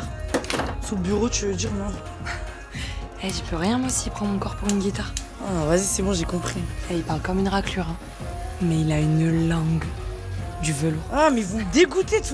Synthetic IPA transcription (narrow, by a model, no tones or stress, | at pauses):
suləbyʁot̪yvød̪iʁmwɛ̃ | ɛʒəpʰøʁjɛ̃mɛ̃siːpχɑ̃mɔ̃kɔʁpuʁynɡʲit̪aʁ | avazisɛbɔ̃ʒekɔ̃pχiɛilpaʁlkɔmynʁaklyʁɛ̃ | mɛilaynlɑ̃ɡ | d̪yvəloamɛvuməd̪eɡut̪et̪u